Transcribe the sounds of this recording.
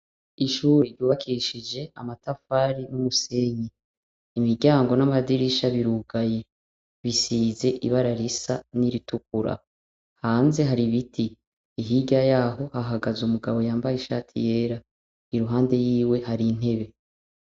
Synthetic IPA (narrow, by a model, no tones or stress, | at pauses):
iʃuːɾeɾjuːβakʰiʃid͡ʒe̞ʔamatafaːɾinumuse̞ɲiː | miɾɟaːŋɡo̞namadiɾiʃaβiɾuɡaje̞ | βisiːze̞ʔḭβaɾaɾisaniɾituk̚uɾa̰ | haːnze̞ɦaɾiβitʰiː | ɦiɟajaːɦo̞haɦaɡazumuɡaβo̞jaːmbajeʃa̰ːtʰḭje̞ːɾa | iɾuɦaːnde̞jiːwe̞haɾin̥e̞βe̞